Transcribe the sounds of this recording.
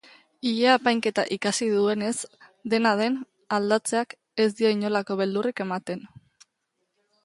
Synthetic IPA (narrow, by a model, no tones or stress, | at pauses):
iʎeapajŋke̞t̪a̰ʔikasiðue̞ne̞sd̪e̞nað̞e̞n | ald̪at͡se̞ak | e̞zd̪io̞iɲo̞lako̞β̞e̞ld̪urike̞mat̪e̞n